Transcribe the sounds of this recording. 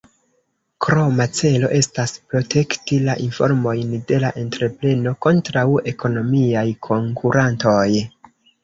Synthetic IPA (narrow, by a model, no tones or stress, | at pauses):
kɾo̞mat͡se̞lo̞̰ʔe̞staspɾo̞te̞ktilaʔinfo̞̰ɾmo̞jnde̞laʔe̞ntɾe̞pɾe̞no̞ko̞ntɾawe̞ko̞no̞miajkʰo̞ŋkuɾʔanto̞j